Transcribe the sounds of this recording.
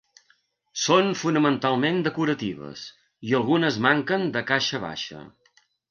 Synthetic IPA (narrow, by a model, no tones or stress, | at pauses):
sonfunəmənt̪alˠmend̪əkuɾət̪iβ̞ə̰s | iəlˠɣunəzmaŋkənd̪əkaʃəβa̰ʃə̰